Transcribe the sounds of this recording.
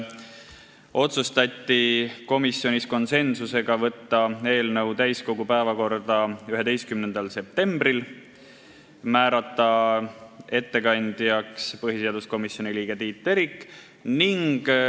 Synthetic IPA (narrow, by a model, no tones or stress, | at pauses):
o̞t̪sust̪ɑt̪ʲːiko̞misjo̞nʲisko̞nse̞nsuse̞ɡ̥ɑvɤt̪ːɑe̞ːlnɤwt̪æjsko̞ɡupæevɑko̞rd̪̥ɑyɦe̞d̪e̞jst̪kymnend̪̥ɑlse̞p̚t̪e̞mbril | mæːɾɑt̪ːˑɑ | e̞t̪ːe̞kɑnʲd̪̥jɑkspɤɦise̞ɑd̪usko̞misjo̞nʲiliːɡ̥et̪iːt̪ːˑe̞ɾikː | niŋɡ̥